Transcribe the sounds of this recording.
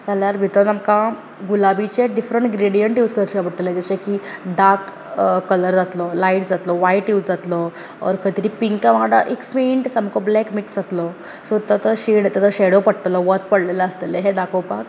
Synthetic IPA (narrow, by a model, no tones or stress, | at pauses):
d͡zaljaɾbʱit̪ɔnamka | ɡulabit͡ɕeɖifɾəɳʈɡɾeɽijəɳʈjuːsɡəɾɕabəɽt̪əled͡ʑ̪at͡ɕekiɖaɾkː | ələɾd͡zat̪lɔlaiʈd͡zat̪lɔʋaiʈjuːt͡sd͡zat̪lɔ | ɔ̰ɾkʰət̪ɾiːpiŋkãʋaaɽa̰ʔekfiːɳʈsamkʰɔblɛkmiksd͡zat̪lɔ | sot̪ət̪əɕiɽt̪ət̪əɕeɽopəɽt̪lɔʋət̪̚pəɽlelaəst̪eleɦed̪akopak